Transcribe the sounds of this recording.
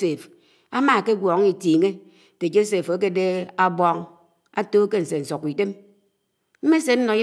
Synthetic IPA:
se˨f | a˦ma˦˨ke˦ɡʷɔ˨ŋ˦i˨tiː˨ŋe˦˨ | te˨d͡ʒo˦se˨fo˨˦k̬e˦de˦a˨bɔ˦ŋ | a˦toː˦ke˦n̩˨se˨n̩˨sɔ˨kːi˨te˦m | m̩˦me˦se˨˦n̩˦nɔ˨˦i˦

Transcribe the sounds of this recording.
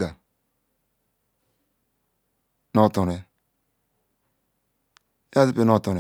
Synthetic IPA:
ɡa˨ | no˦˨to˨ne˨˦ | a˦si˦pe˦no˦˨to˨ne˨

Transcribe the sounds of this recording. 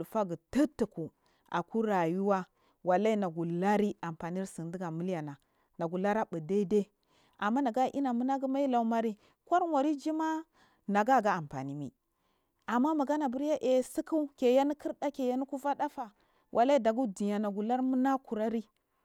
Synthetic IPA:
u˨fa˦ɡə˨tə˦tə˨ku˨ | a̰˨ku˦ɾa˨ju˦wa˦ | wa˨la˦i˦na˨ɡu˨la˦ɾi˦a˨mpa˨ni˦ɾsi˨ndi˦ɡa˨mu˦lja˨na˨ | na˨ɡu˨la˦ɾa˦bə˨de˦de˦ | a˨mːa˦na˨ɡa˦ʔḭ˦na˨mu˦na˦ɡu˦ma˦i˦la˨u˨ma˦ɾi˦ | kʷa˦ɾwa˨ɾi˦d͡ʒi˦ma˦ | na˨ɡa˦˨ɡa˦a˨mpa̰˨ni˦mḭ˨ | a˨mːa˦ma˨ɡa˦na˨bu˦ɾja˦ʔe˨˦si˦ku˦ke˨ja˦ni˦ki˦ɾda˦ke˨ja˦ni˦ku˦va˦da˦fa˨ | wʔa˨la˦i˦da˨ɡu˦di˨ja˨na˨ɡu˨la˦ɾmu˦na˦ku˨ɾa˦ɾi˦

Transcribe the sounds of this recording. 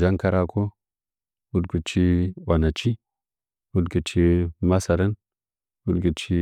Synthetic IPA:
d͡ʒa˦ŋka˦ɾa˦ko˦ | wu˦dɡu˨t͡ʃi˦wa˨na˨t͡ʃi˦ | wu˦dɡə˨t͡ʃi˦ma˦sa˨ɾə˦n | wu˦dɡə˨t͡ʃi˦

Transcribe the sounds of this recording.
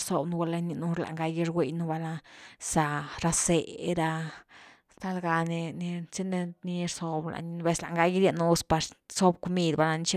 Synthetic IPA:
ɾso˨bnu˧wa˧la˧ni˧nu˧ɾla̰˨ŋɡa˧ji˧ɾɡʷwe˧jnu˧ba˧la˧sa˧ɾa˧se˨ɾa˧ | st̪a˦˧lɡa˧ne˧ni˧t͡si˦ne˧ni˧˦ɾso˧bla̰˨ni˧n˧be˧sla̰˨ŋɡa˧ji˦ɾja˧nu˧spa˧ɾso˦bko˧mi˧d̪ba˧la˧ni˧t͡ʃi˦

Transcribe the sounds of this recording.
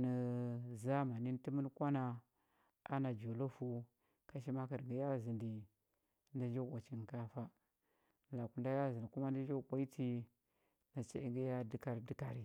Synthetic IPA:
nə˨za˦ma˨ni˦n˦ti˦mə˦n˦kʷa˦na˨ | a̰˦na˨d͡ʒo˨lo˦fu˦ | ka˦ʃ̬i˦ma˦ki˨ɾɡi˨ja˦zi˨ndi˨ | nda˦d͡ʒo˦˨kʷa˨t͡ʃi˨n˨ka˦fa˦˨ | la˨ku˨nda˦ja˦zi˨ndi˨ku˦ma˦n˦da˦d͡ʒo˦˨kʷa˦i˦ti˦ | na˨t͡ʃa̰˨i˦ŋɡi˦ja˦di˦ka˨ɾdi˦ka˨ɾi˨

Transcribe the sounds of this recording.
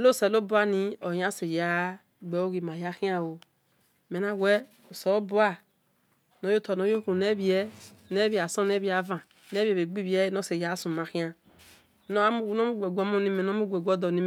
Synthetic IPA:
lo˦˨sɛ˨lo˦bu˦a˦ni˦o˨jã˦se˨ja˦ | ɡ͡bɛ˨˦o˦ɣi˨ma˨ja˦xi˦a˦˨wo˨ | me˨na˦wɛ˦ | o˨so˨˦o˦bu˦a˦ | no˨˦jo˦to˨no˨˦jo˦ku˨ne˦βi˨˦ɛ˦ne˦βi˦˨a˨sõ˦ne˦βi˦a˨˦vã˨ | ne˦βi˦ɛ˨βe˨ɡ͡bi˦bi˦ɛ˦no˦se˨ja˨˦sũ˨ma˨xĩ˦a˦ | no˦mu˦˨˦no˦u˦ɡe˨ɡʷo˦mo˦ni˦me˨no˦u˦ɡʷe˨ɡʷo˦dɔ˨ni˦˨

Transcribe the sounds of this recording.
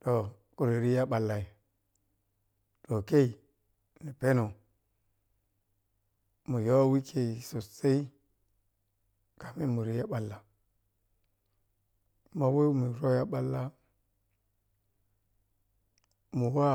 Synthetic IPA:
to˨ | ku˨ɾi˨ɾi˦ja˦ɓa˨lːa˨i˨ | to˨ke˦i˨ | ni˨pe˦no˨ | mu˨jo˦wi˦kʰe˨so˨se˦i˦ | ka˨mi˦mu˨ɾi˦ja˦ɓa˨lːa˨ | ma˨we˦mi˨ɾo˦ja˦ɓa˦lːa˦ | mu˨wa˦

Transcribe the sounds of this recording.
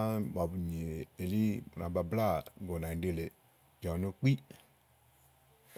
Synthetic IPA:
m˨a˨bu˨ɲe˨e˨li˦u˨na̰˨ba˨bla˦˨˦ɡo˨nã˨de˦˨le˨ | d͡ʒɔ̃˨no˦k͡pi˦

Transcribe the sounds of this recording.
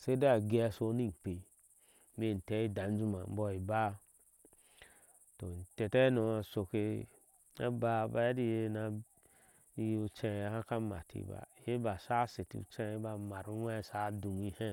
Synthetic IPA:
se˦de˦a˨ɡe˦a˦so˦ni˦˨k͡pe˨ | m˦e˦˨n̩˨te˦i˦da˨n˦d͡ʒu˦ma̰˨m˦bɔ˨i˨ba˦ | to˨n̩˨te˨tɛ˦no˨a˨so˨ke˨ | ḛ˦ba˦ba˦di˦je˦na˨˦ | ju˨t͡ʃẽ˦˨ja˨hã˦ka˦ma̰˨tʰḭ˨ba̰˨je˦ba˨sa˦se˨tḭ˨ṵ˨t͡ʃɛ˦ba˨ma˨ɾu˦ɛ˦˨sa˦du˨ŋi˦he˦

